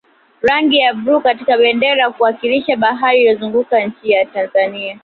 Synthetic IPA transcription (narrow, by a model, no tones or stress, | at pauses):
ɾaŋɡijabɾukatikaɓɛndɛɾakuwakiliʃaɓaɦaɾilɔzuŋɡukaɲ̩t͡ʃijatanzania